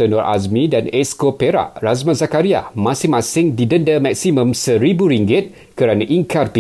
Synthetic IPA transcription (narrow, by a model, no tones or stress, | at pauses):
ənɔrʔa̰smĩdanɛskopeɾa̰ʔrazmãnzakaɾia̰mãsɪŋmãsɪŋdidəndəmak̚simə̃msəɾibuɾiŋɡɪt̪̚ | kəɾanãʔiŋkarpi